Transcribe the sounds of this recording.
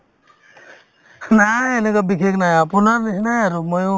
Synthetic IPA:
naenɛkɔbikʰeknajapunaɾnisnajaɾumɔjo

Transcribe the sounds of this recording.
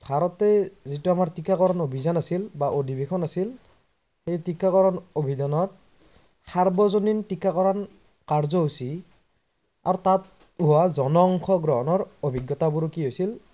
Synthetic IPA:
bʱaɹɔtɛzituamaɹtikːakɔɹɔnobʱizanasilbaʔodibekʰɔnasil | xejtikːakɔɹɔnobʱidanɔt̚ | saɹbɔzonintikːakɔɹan | kaɹzɔɦusi | a̰ɹutat̚ | ɦuwazɔnɔŋkʰɔɡɹɔɦɔnɔɹobʱiɡːɔtabuɹukiɦojsil

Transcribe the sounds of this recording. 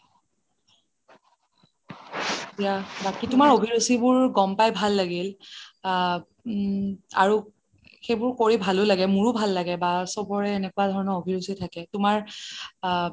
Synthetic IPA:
etijabakitʊmaɹobʱiɹusibʊɹɡɔmpajbʱalːaɡil | a̰ɹu | xejbʊɹkoɹibʱalʊlaɡɛmuɹubʱalːaɡɛbasɔbɔɹɛːnɛkuadʱɔɹɔnɔobʱiɹusitʰakɛtʊmaɹ

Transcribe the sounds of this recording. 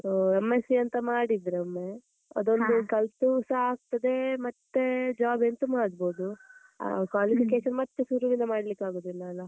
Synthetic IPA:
soːemːesiɐnt̪ɐmaːɽid̪ɾeɐmːe | ɐ̰d̪o̞nd̪ukɐlt̪usɐaːɡ̚t̪ɐd̪e̞mɐt̪ːed͡ʒaːbent̪umaːɽbo̞ːd̪u | a̰kaːlifikeːʃɐnmɐt̪ːesuɾuʋinɐmaːɽlikːaːɡoːd̪ilːɐːlːɐ

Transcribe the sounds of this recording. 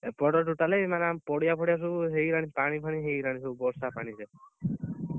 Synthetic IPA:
pɔʈɔʈuʈalejmanampɔɽijapʰɔɽijas̬uuɦejɾaɽ̃ipaɽ̃ipʰaɽ̃iɦejɾaɽ̃isubɔɾsapaɽ̃ise

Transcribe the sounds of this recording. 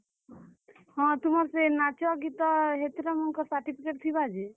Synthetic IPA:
ɦɔ̃t̪umɔɾsenat͡ʃɔaɡit̪ɔɦet̪iɾamɔnkɔsaɾʈipʰikeʈ̚t̪ʰibad͡ʒe

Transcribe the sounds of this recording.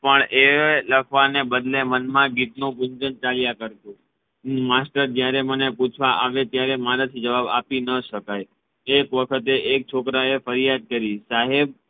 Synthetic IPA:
pəɳeləkʰʋanebəd̪lemənmãɡit̪nũbuɲd͡ʒənt͡ʃaljakəɾt̪ũ | masʈəɾd͡ʒjaɾeməneput͡ʃʰʋaʔaʋet̪jaɾemaɾat̪ʰid͡ʒəʋaba̰pinəʃəkaj | ekʋəkʰət̪eʔek̚t͡ʃʰokɾaefəɾijad̪̚kəɾisaɦeb̚

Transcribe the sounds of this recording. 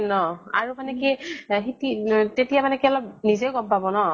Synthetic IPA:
nɔa̰ɹumanɛkiɦititetijamanɛkiɔlɔp̚nizeʊɡɔmpabɔnɔ

